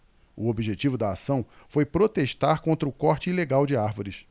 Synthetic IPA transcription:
ʊobiʒet͡ʃivʊd̪ɐasɐ̃w̃ | fojpɾot̪eʃt̪aɾkõnt̪ɾɐʊkɔχt͡ʃɪileɡawd͡ʒɪaɾvoɾɪs

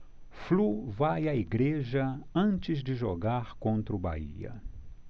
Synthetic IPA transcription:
fluvajɐiɡɾeʒɐɐ̃nt͡ʃɪzd͡ʒɪʒoɡaɾkõnt̪ɾʊba̰ḭɐ̰

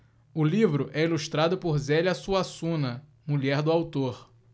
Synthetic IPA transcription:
ʊlivɾʊʔɛiluʃt̪ɾad̪ʊpoɾzɛlʲɐsuasũnɐ | muʎɛɾd̪ʊawt̪oɾ

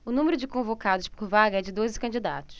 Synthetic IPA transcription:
ʊnũmeɾʊd͡ʒɪkõvokad̪ʊspoɾvaɡɐɛd͡ʒɪd̪ozɪkɐ̃nd͡ʒɪd̪a̰t̪ʊ̥s

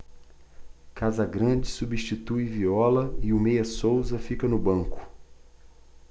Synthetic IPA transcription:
kazɐɡɾɐ̃d͡ʒɪsubiʃt͡ʃit̪ujviɔlɐɪʊmejɐsowzɐfikɐnʊbɐ̃ŋkʊ̥

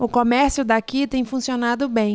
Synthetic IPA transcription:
ʊkomɛɾsjʊd̪akit̪ẽj̃fũsionad̪ʊbẽj̃

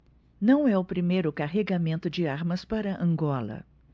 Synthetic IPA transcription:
nɐ̃w̃ɛʊpɾimejɾʊkaɦeɡamẽnt̪ʊd͡ʒɪaɾmɐspaɾɐʔɐ̃ŋɡɔlɐ̰

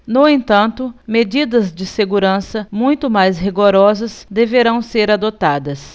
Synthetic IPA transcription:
nʊẽnt̪ɐ̃nt̪ʊmed͡ʒid̪ɐzd͡ʒɪseɡuɾɐ̃sɐmũj̃t̪ʊmajsɦiɡoɾɔzɐsd̪eveɾɐ̃w̃seɾad̪ot̪ad̪ɐs

